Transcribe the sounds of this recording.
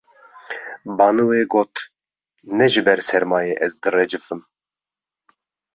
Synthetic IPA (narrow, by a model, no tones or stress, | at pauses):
bɑːnɨweːɡoːt̪ | nɛʒɨbɛɾsɛɾmɑːjeːʔɛzd̪ɨrɛd͡ʒɨfɨm